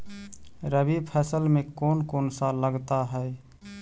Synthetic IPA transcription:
ɾəbipʰɛsəlmekonkonsaləɡt̪aɦəe

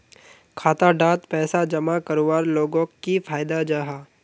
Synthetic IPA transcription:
kʰaːt̪aɖaːt̪pɛːsad͡ʒɐmakɐɾowaːɾloːɡõkifʰaːjd̪ad͡ʒaːɦaː

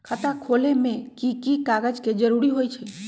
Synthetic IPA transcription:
kʰət̪akʰolemẽkikikaɡəd͡ʒked͡ʒəɾuɾiɦojt͡ʃʰɛ

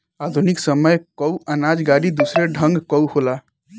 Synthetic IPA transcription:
ad̪ʱuniksəməjkəwanad͡ʒɡaɾid̪usɾeɖʱəŋɡkɔwhola

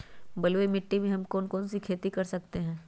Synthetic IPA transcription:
bɐlwemɪʈːimẽɦɐmkɔːnkɔːnsikʰeːt̪ikɐɾsɐkt̪eɦɛ̃ː

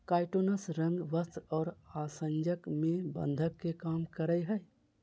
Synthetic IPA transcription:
kajʈonəsɾə̃ŋɡʋəst̪ɔːɾasənd͡ʒəkmẽbə̰̃nd̪ʱəkːekamkəɾəjɦəɪ

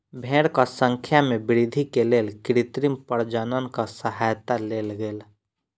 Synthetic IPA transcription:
bʱẽːɽkasə̃ŋkʰjamẽbɪɾid̪ʱikeleːlkɪɾɪt̪ɾimpəɽd͡ʒənənkasəɦajt̪aleːlɡeːl

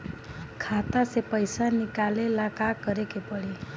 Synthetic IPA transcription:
kʰat̪asepəjsanikalelakakəɾekepəɭi

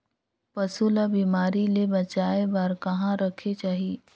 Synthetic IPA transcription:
pɐsulabiːmaːɾilebɐt͡ʃaːebaːɾkɐɦãɾɐkʰet͡ʃaːɦieː

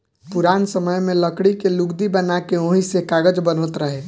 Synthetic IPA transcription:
puɾaːnsəməjmẽləkɽikeluɡd̪ibənakeoɦisekaɡəd͡ʒbənot̪ɾəɦe

